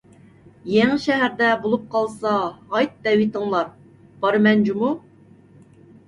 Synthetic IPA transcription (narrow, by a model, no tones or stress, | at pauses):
jɛŋʃɛɦæɾd̪ɛbolˠup̚qʰɑlˠsɑɦɑjt̪̚d̪ɛwit̪əŋlˠɑɾ | b̥ɑɾɨmɛnd͡ʒumu